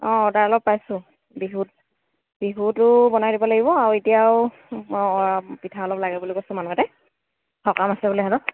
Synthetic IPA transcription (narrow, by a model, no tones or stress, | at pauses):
ɔ̃ɔdaɹɔlɔpːajsʊ̃ | biɦut̚ | b̥iɦutʊbɔnajdibɔlaɡibɔaɹuetijaʊ | pitʰaɔlɔplaɡɛbulikojsʊ̃manuatɛ | hɔkamasɛbulɔjɦadɔ